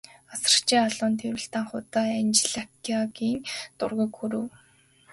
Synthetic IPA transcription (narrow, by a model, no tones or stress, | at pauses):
asə̥̆t͡ɕʰeːaɮʊːnt̪ʰeɾɘ̆ɬt̪aːŋχʊt̪aːant͡ɕɪɮakʰiaɡiːŋt̪ʊ̰rɣə̆kxuɾɘ̆w